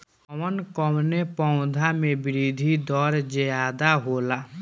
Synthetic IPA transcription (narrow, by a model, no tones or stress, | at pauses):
ɔʋənkɔmnepɔʊ̃d̪ʱamẽbɪɾiːd̪ʱid̪ɔːɾd͡ʒejaːd̪aɦoːlaː